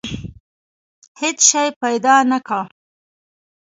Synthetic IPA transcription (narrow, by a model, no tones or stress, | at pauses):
het͡sʃajpajd̪ɑnaka